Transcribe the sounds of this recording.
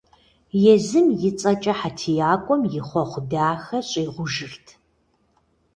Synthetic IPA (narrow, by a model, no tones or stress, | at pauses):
jɛzɨmjɪt͡sʼɐt͡ʃʼɐħatʰijaːkʷʼɔmjɪχʷɔχʷʊdaːxɐɕʼiːʁʷʊʒɨrtʰ